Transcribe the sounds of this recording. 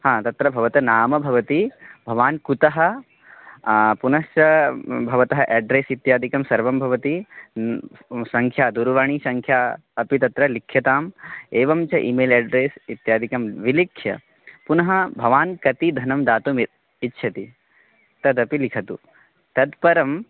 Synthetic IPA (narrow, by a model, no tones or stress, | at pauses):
hãːt̪ɐt̪ɾɐbʱɐʋɐt̪ɐnaːmɐbʱɐʋɐt̪ibʱɐʋaːnkut̪ɐɦɐ̆ | punɐst͡ʃɐbʱɐʋɐt̪ɐɦɐʔɛːɖɾeːsit̪jaːd̪ʱikɐmsɐɾʋɐmbʱɐʋɐt̪i | sɐ̃ŋkʰjaːd̪uɾʋaɳ̃isɐŋkʰjaː | ɐpit̪ɐt̪ɾɐlikʰːjɐt̪aːmeːʋɐmt͡ʃɐʔiːmeːlɛːɖɾeːsit̪jaːd̪ʱikɐmʋilikʰːjɐ̰ | punɐɦɐbʱɐʋaːnkɐt̪id̪ʱɐnɐmd̪aːt̪umit̪̚ | itːʃʰɐt̪i | t̪ɐd̪ɐpilikʰɐt̪ṵ | t̪ɐd̪pɐɾɐm